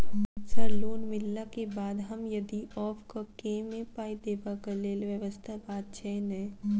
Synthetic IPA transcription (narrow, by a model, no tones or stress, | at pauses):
səɾloːnmɪlːakebaːd̪ɦəmjɐd̪iɔːpʰkakeːmẽpaːid̪eːbakəleːlʋjəʋəst̪ʰabaːt̪̚t͡ʃʰɛnɛː